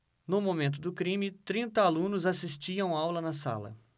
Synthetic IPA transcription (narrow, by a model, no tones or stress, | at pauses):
nʊmomẽnt̪̬ʊd̪ʊkɾĩmɪt̪ɾĩnt̪ɐalũnʊzasist͡ʃiɐ̃w̃awlɐnɐsa̰lɐ̰